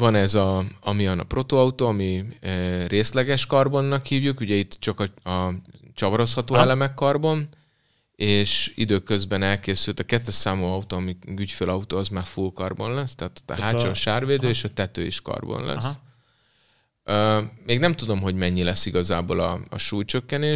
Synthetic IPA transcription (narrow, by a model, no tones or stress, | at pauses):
vɒnɛzɒɒmiɒnɒ̰pro̞t̪oːɒut̪oːɒmi | reːslɛɡɛʃkɒrbonːɒkhiːvjukuɟɛit̪ːt͡ʃɒkɒɒt͡ʃɒvɒɾo̞shɒt̪oːɛlɛmɛkːɒrbo̞n | eːʃḭd̪øːkø̞zbɛnɛlkeːsylt̪ɒkɛt̪ːɛʃaːmoːɒut̪oːɒmiɡycfeːlɒut̪oːɒzmaːrfulkɒrbo̞nlɛst̪ɛːt̪o̥t̪ːɛ̰ɦaːt͡ʃonʃaːrveːd̪øːeːʃɒt̪ɛt̪ø̰ːiʃkɒ̰rbo̰nlʔɛ̰sː | øːmeːɡnɛmt̪ud̪o̞mɦo̞ɟmɛɲːilɛsːiɡɒzaːboːlɒ̰ɒ̰ʃuːjt͡ʃøkːɛneː